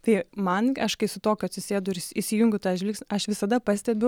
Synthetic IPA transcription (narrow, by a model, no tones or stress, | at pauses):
t̪ɐɪmɐnɐʃkɐɪsʊt̪oːkʲʊɐt̪sʲɪsʲeːd̪ʊɪɾisʲɪjʊŋʲɡʲʊt̪ɐɪɐʒʲʋʲiːksɐʃʋʲɪsɐd̪ɐpɐsʲt̪ʲɛbʲɛ